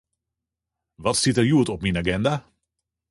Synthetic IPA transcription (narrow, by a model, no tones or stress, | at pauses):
ʋɑtsitəɹjuətɔpminaɡɛnda